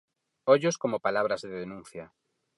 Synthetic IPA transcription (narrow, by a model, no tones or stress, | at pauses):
oʎoskomopalaβɾazðeðenũnθja